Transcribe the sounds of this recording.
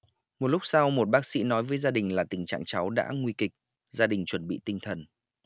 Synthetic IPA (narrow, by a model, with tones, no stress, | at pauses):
mo˨˩t̚lʊ˦˥k͡p̚sa˧wmo˨˩t̚ɓaː˦˥k̚sḭ˧˥nɔ˨˦jvəː˨˦jzaː˧ɗï˨˩ŋ̟laː˨˩t̪ï˨˩ŋ̟t͡ɕa̰ː˧˨ŋt͡ɕa˨˦wɗa̰ː˧˥ŋwi˧kï˨˩k̚ | zaː˧ɗï˨˩ŋ̟t͡ɕwə˨˩nɓḭ˧˨t̪ï˧ŋ̟t̪ʰə˨˩n